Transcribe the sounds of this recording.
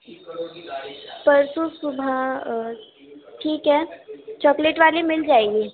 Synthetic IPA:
pɐɾsusʊbʱa | ʈʰiːkɦɛːt͡ʃɔːkleʈʋaːlemɪld͡ʒaːeɡeː

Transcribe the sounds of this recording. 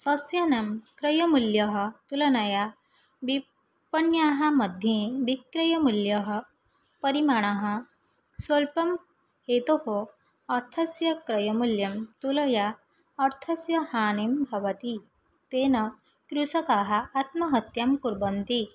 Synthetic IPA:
sɐsjɐnɐmkɾɐjɐmuljɐɦət̪ulɐnaja | bi | pɐnjaɦamɐd̪ʱjẽbikɾɐjɐmuljɐɦʌ | pɐɾimaɽ̃aɦɐ̃ | sʋɐlpɐm | het̪oho | ɐɾt̪ʰɐsjɐkɾɐjɐmuljɐmt̪ulɐjaː | ɾt̪ʰɐsjɐhaːnimbʱɐʋət̪i | t̪enɐ | kɾusɐkaɦaːt̪mɐɦɐt̪jamkuɾbɐnt̪i

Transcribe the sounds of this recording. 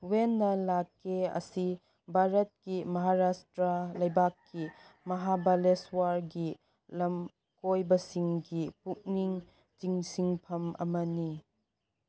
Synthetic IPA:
wenːɐlakːeɐ̰si | bʱaɾɐt̚kimɐɦaɾastɾɐlɐjbakːi | mɐɦabaleswaɾɡi | lɐm | kojbɐsiŋɡipuk̚niŋ | tiŋsiŋpʰɐmɐ̰mɐni

